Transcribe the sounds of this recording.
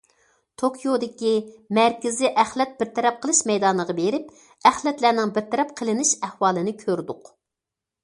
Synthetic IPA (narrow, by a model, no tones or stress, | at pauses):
t̪ʰokʰijod̪ɪkʲimæɾkʲɪzɪʔæχlɛt̪̚b̥ɪɾt̪ʰɛɾɛp̚qʰəlˠɨʃmɛjd̪ɑnəʁɑbeɾɪp̚ | æχlɛt̪læɾnɪŋbɪɾt̪ʰɛɾɛp̚qʰəlˠɪnɪʃæhwɑːlˠɨnɪkʲʰøɾd̪ʊq